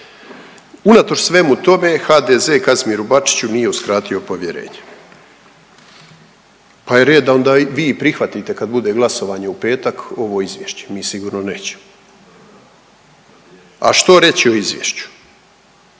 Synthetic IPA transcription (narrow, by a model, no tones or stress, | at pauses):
unat̪o̞ʃsʋe̞mut̪o̞me̞xaːd̪eze̞ːkazmiɾubat͡ʃi̥t͡ɕunije̞uskɾaːt̪io̞po̞ʋje̞ɾe̞̰ːɲe̥ | paeɾeːd̪d̪ao̞nd̪aːʋiːpɾixʋat̪it̪e̞kad̪bud̪e̞ɡlˠaso̞ʋaːɲeupe̞ːt̪ako̞ʋo̞izʋjeʃt͡ɕe̥miːsiɡuːɾno̞ne̞ːt͡ɕe̥mo | a̰ʃt̪o̞ɾe̞t͡ɕio̞izʋjḛːʃt͡ɕu̥